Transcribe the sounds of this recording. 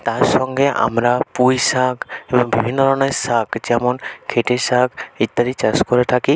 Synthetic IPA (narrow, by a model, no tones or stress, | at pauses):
t̪aɾsɔŋɡeʔa̰mɾapujsakbɔbʱibʱinːɔɾɔnɔjsakt͡ʃɛmɔnkʰeʈesakit̪ːaɾit͡ʃaskɔɾet̪ʰaki